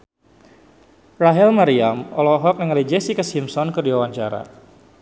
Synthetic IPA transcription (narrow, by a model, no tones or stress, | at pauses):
raɦɛlmaɾiamɔlɔɦɔk̚nəŋlid͡ʒɛsikəsimsɔnkɨrdiwawaɲt͡ʃaɾa̰